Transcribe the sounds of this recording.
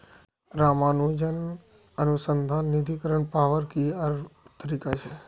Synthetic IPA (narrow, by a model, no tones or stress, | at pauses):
ɾamanũd͡ʒən | ənusənd̪ʱanːid̪ʱikəɾəɳpaʋəɾkiaɾt̪əɾikat͡ʃʰe